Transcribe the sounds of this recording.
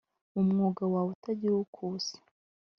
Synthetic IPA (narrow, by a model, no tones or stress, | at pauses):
umŋuːɡawawutaɟiɾwokʰusi̥